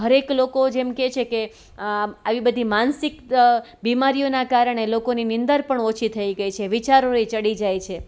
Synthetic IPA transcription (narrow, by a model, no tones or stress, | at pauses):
ɦəɾeklokod͡ʒemket͡ʃʰeke | aʋibəd̪ʱimansikbimaɾijonakaɾɳ̃elokoninɪnd̪əɾpəɳɔt͡ʃʰit̪ʰəiɡəjt͡ʃʰeʋit͡ʃaɾoet͡ʃəɽid͡ʒajt͡ʃʰe